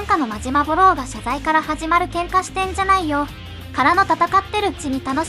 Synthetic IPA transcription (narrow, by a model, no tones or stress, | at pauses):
ãŋkano̞maʑimaboɾo̞ːɡaɕazaikaɾahaʑimaɾɯ̟kẽ̞ŋkaɕi̥t̪ẽ̞ɲ̟d͡ʑanaijo̞ | kaɾano̞t̪at̪akat̪ːe̞ɾɯ̟ɯ̟t͡ɕiɲ̟it̪ano̞